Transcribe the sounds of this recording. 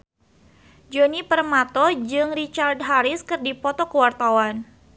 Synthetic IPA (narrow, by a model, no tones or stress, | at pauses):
d͡ʒɔnipərmat̪ɔd͡ʒɨŋrit͡ʃard̪̚ɦaɾɪskɨrdipɔt̪ɔkəwart̪awan